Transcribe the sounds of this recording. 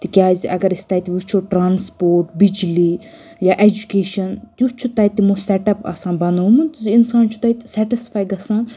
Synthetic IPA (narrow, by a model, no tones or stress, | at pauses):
t̪ikjaːziʔɐ̰ɡɐɾist̪ait̪iʋut͡ʃʰoʈɾaːnspoːɾʈ̚bid͡ʒliː | jaːʔed͡ʒukeːʃɐnt̪jut͡ʃʰut̪ɐit̪imũsɛʈɐpɐ̰sãːnbɐnoːmut̪ziinsaːnt͡ʃʰu̥t̪ɐit̪sɛʈisfʰaːjɡɐsãː